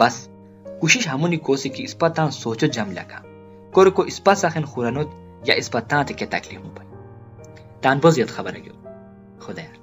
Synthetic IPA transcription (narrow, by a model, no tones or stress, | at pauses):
b̥ɐs | kuʃiʃɦɐmunikoːsikiːspɐt̪ːãːnsoːt͡ʃod͡ʒɐmlʲɐ̰kʰã̰ | koɾokoʔispɐsɐxenxuɾɐnot̪ | ja̰ʔispɐt̪ːãːt̪eket̪ɐ̰klifmupɐj | t̪aːnbozijɐt̪xɐbɐɾɐ̰ɡjo̰ | xod̪aja